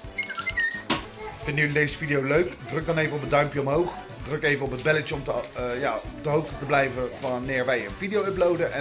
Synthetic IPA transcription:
fɪndydejzəfidijowløɥkdrɵɡ̚dɑnejvənɔpədœɥmpjəɔmɦowχ | drɵkejvəɔpɦəd̚bɛlət͡ʃəɔmjaːpdəɦowχtətəblɛjvəʋɑnɪːɹʋɛjənvidijowəplowdənʔɛ

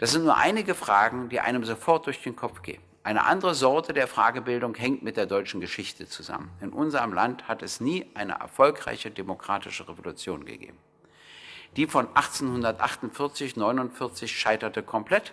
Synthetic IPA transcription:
d̥aszɪntnuːɐʔaɪnɪɡəfʁ̥aːɡŋ̩d̥iːʔa̰ɪnəmzofɔɐt̚d̥ʊɐçd̥eːnkʰɔpp͡fɡ̥ḛːənʔaɪnə̰ʔa̰ndəʁəzɔɐtʰədeːɐfʁ̥a̰ːɡəbɪldʊŋhɛŋtmɪt̚d̥eːɐdɔʏt͡ʃn̩ɡəʃɪçtət͡suza̰mənɪnʔʊnzəʁəmlanthatɛsniːʔaɪnə̰ʔɛ̰ɐfɔlkʁ̥a̰ɪçədemokʁ̥aːtɪʃəʁevolut͡sjoːnɡə̰ɡḛːb̚m̩ | d̥iːfɔnʔaχt͡senhʊndɐtʔaχtʊntfɪɐt͡sɪçnɔʏnʊntfɪɐt͡sɪçʃaɪtɐtəkʰɔmpl̥ɛt

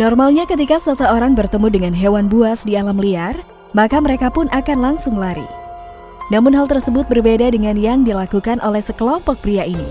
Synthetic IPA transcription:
nɔrmalɲakət̪ikasəsəoɾaŋbərt̪əmudəŋanɦewanbuasdialamliar | makaməɾekapʊnʔakanlaŋsʊŋlaɾḭ | namʊnɦalˠt̪ərsəbʊt̪̚bərbedadəŋanjaŋdilakukanʔolɛhsəkəlɔmpɔk̚pɾiainḭ

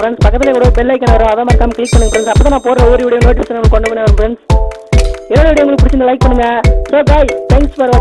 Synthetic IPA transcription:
ɾɛɳɖspɐkːɐt̪ːɪlɛkuːɽopɛlːɐɪkːɐnːɐʋɐɾõɐðɐaːmɐːɾkːaːmkɭɪk̚pɐɳːɯŋɡɐfɾɛnsɐpːoːt̪ãːnaːpoːɾɾɐoːɾɪʋɪɽɐjʊ̃noːʈɪsɐnːɐɭɐkːɔɳɖɐpɐɳːɐʋɐɾʊ̃fɾɛɳɖs | ɛɾːoːɽʋɪɽɐjɐʊŋɐɭkːpʊɽɪt͡ʃːɪnd̪ɐlɐɪk̚pɐɳːɯŋɡɐsoːɡaːjt̪ʰɛːŋksfɐɾ

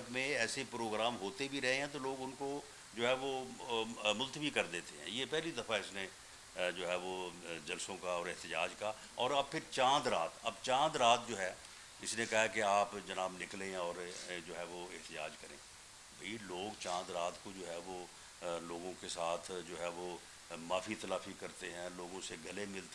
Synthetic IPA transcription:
pmẽɛːsepɾoːɡɾaːmɦoːt̪ebʱiɾɛɦẽɦɛ̃t̪̬oloːɡʊnko | d͡ʒoːɦɛʋo | mʊlt̪əʋikɐɾd̪eːt̪eɦɛ̰̃ːjepɛɦlid̪ɐfaɪsne | d͡ʒoːɦɛʋod͡ʒɐlsõkaɔːɾɪɦt̪ɪd͡ʒa̰ːd͡ʒka | ɔːɾɐb̚pʰɪɾt͡ʃãːnd̪ɾa̰ːt̪ɐbt͡ʃãːnd̪ɾaːt̪̚d͡ʒoːɦɛː | ɪsnekɐɦakeaːpd͡ʒɐnaːbnɪklẽɔːɾd͡ʒoːɦɛʋoɪɦt̪ɪd͡ʒa̰ːd͡ʒkɐɾḛ̃ː | bʱɐiloːɡt͡ʃãːnd̪ɾaːt̪kod͡ʒoːɦɛːʋo | loːɡõkesaːt̪ʰd͡ʒoːɦɛːʋo | maːfit̪ɐlaːfikɐɾt̪eɦɛ̃ːloːɡõseɡʱɐlemɪlt̪

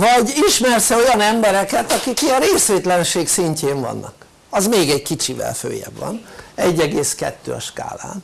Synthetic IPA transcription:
vɒɟiʃmɛrsɛo̞jɒnɛmbɛɾɛkɛt̪ɒkikiɒɾeːsʋeːt̪lɛnʃeːksiɲceːɱvɒ̰nːɒk | ɒzmeːɡɛɟkit͡ʃivɛ̰lfø̰ːjɛ̰bʋɒ̰nɛɟːɛɡeːskɛ̰t̪ːøːɒʃka̰ːla̰ːn

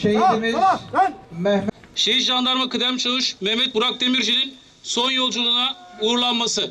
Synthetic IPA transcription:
ʃejmi | mɛh | ʃejiʒand̪ˠaɾmakɯd̪æmt͡ʃʰalˠɯʃmɛhmɛt̪̚buɾak̚d̪emiɾd͡ʒinin | so̞njo̞lˠd͡ʒulˠunauːɾlˠanmasɯ

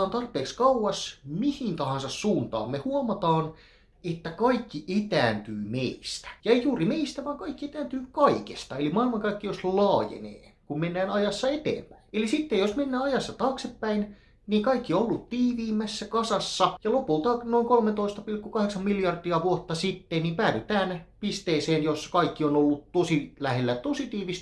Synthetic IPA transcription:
ɑːnt̪ɑrpˑeːkskɑuwɑsmihint̪ɑhɑnsɑssuːnt̪ɑ̰ːmmehuɑmɑt̪ɑːn | et̪ːækɑikːiʔet̪æːnt̪yːmeist̪æ̥jɑejjuːrimeist̪æʋɑːŋkɑikːiet̪æːnt̪yːkɑikḛst̪ɑelimɑːilmɑŋkɑikːijoslɑːjḛnḛːkummenːæːnɑjɑsːɑet̪ḛːmpæinelisit̪ːejosmenːæːɑjɑsːɑt̪ɑːksepːæin | niːkɑikːiolːut̪t̪iːʋiːmæsːækɑsɑsːɑjɑlopult̪ɑːnoiŋkolmet̪oist̪ɑpilkːukɑheksɑmmiljɑrd̪̥iɑʋuot̪ːɑsit̪ːennimpæːʋyt̪æːnpist̪eːseːnjoskɑikːionolːut̪t̪osilæhelːæt̪osit̪iːʋist̪

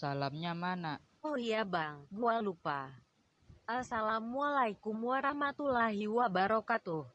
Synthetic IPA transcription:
salamɲamana | ɔijabaŋmualupa | asalamːualaikumuaɾamat̪ulaɦiwabaɾɔkat̪uh

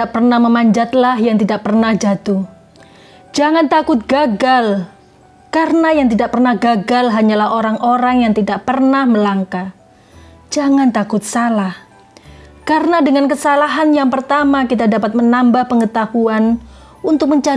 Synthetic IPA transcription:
aʔpərnahməmaɲd͡ʒat̪laɦjaŋt̪idaʔpərnahd͡ʒat̪uh | d͡ʒaŋant̪akʊt̪̚ɡaɡal | kaɾənajaŋt̪idaʔpərnahɡaɡalɦaɲalahoɾaŋʔoɾaŋjaŋt̪idaʔpərnahməlaŋka | d͡ʒaŋant̪akʊt̪̚salah | kaɾənadəŋankəsalaɦanjaŋpərt̪amakit̪̬adapat̪̚mənambahpəŋət̪ahuan | unt̪ʊk̚məɲt͡ʃa

